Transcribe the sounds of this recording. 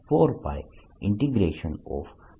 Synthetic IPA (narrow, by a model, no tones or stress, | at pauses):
poːɾba̰ɪ | ʔɪ̃ɳʈiɡɾeːʃə̃nɔ̰ːʋ